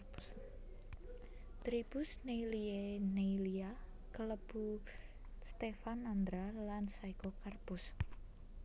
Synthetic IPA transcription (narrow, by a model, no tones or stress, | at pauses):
t̪ɾib̥ʊsnelienelia | kələb̥u | st̪efanand̪ɾalansaikɔkarpʊs